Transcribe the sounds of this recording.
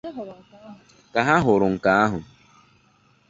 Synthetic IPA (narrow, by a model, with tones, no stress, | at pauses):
ka˨ɦa˦ɦʊ˨ɾʊ˨ŋ̩˨kaː˨˦ɦʊ˨